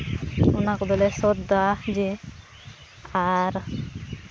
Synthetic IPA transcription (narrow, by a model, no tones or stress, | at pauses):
unakɔd̪ɔlɛsɔd̪ad͡ʒe | aɾ